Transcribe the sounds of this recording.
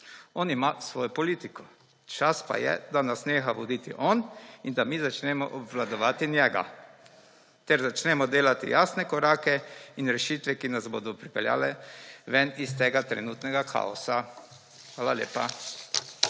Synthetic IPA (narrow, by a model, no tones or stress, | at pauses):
ɔnimasʋɔːjɔpɔliːt̪ikɔ | t͡ʃaspa̰jɛ̰d̪anasneːxaʋɔd̪iːt̪iʔɔnind̪amizat͡ʃnɛmɔʔɔbʋlad̪ɔʋaːt̪injɛɡa̰ | t̪ɛɾzat͡ʃnɛmɔd̪eːlat̪ḭjaːsnɛkɔɾaːkɛinɾɛʃit̪ʋɛkinasboːd̪ɔpɾipɛlja̰ːlɛʋɛnist̪eːɡat̪ɾɛ̰nuːt̪nɛɡakʰa̰ɔsa | xʋaːlaljḛːpa̰